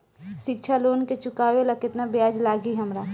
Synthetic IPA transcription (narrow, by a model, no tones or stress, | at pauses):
ʃɪk̚t͡ʃʰaloːnket͡ʃʊkaːʋelakɪt̪nabjaːd͡ʒlaːɡiɦɐmɾa